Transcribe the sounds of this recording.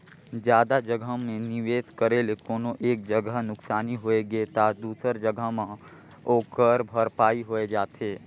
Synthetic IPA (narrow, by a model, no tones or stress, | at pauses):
d͡ʒjaːd̪ad͡ʒəɡʱəɦmẽnɪʋeːskəɾeːlekoːnoʔeːk̚d͡ʒəɡʱəɦnʊksaːniɦoːeɡet̪ad̪uːsəɾd͡ʒəɡʱəɦmã | oːkəɾbʱəɾpaːiɦoːed͡ʒaːt̪eː